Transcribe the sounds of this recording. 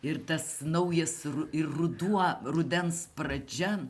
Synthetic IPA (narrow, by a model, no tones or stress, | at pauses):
ɪɾt̪ɐsnɐʊjɛsʊɪrʊd̪uɔrʊd̪ʲɛnspɾɐd͡ʒʲɛ